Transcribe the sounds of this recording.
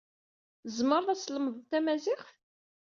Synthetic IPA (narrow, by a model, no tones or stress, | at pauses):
zməɾˤðæsləmðˤt̪æmæzɪχ